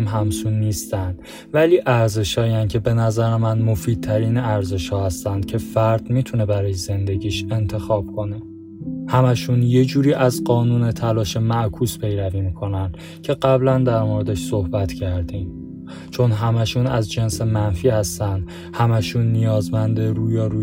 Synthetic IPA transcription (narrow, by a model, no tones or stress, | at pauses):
mɦæmsunːiːst̪ænd̪̥ | væliːʔæɾze̞ʃhɒːiæncʰe̞be̞næzæɾemænmofiːd̪̚t̪ʰæɾiːnæɾze̞ʃhɒːhæst̪ænd̪̥̚cʰe̞fæɾd̪̥miːt̪ʰune̞bæɾɒːjeze̞nd̪e̞ɟiːʃe̞nt̪ʰe̞xɒːb̥̚kʰo̞ne̞ | hæmæʃunje̞d͡ʒuːɾiːʔæzɢɒːnuːne̞t̪ʰælɒːʃemæʔkʰuːspʰe̞jɾæviːmiːkʰo̞nænd̪̥ | cʰe̞ɢæblænd̪æɾmoɾed̪eʃso̞hbæt̪ʰcʰæɾd̪im | t͡ʃʰo̞nɦæmæʃunæzd͡ʒense̞mænfiːhæst̪ænd̪̥ | hæmæʃunːijɒːzmænd̪eɾuːjɒːɾu